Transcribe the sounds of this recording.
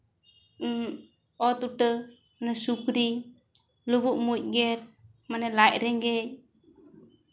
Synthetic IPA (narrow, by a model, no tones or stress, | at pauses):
ɔt̪utə | nasukɾi | luβuʔmuc̚ɡɛɾ | manalaʔɾɛŋɡɛj